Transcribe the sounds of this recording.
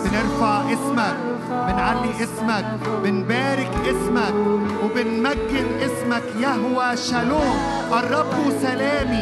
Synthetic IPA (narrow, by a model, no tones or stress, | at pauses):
bɪnɪɾfaʕʔɪsmak̚ | bɪnʕalːiʔɪsmak̚bɪnbaːɾɪkʔɪsmakwbɪnmaɡːɪlʔɪsmakjaɦʊwaʃaluːm | ʔɑrˤːɑbːusalaːmi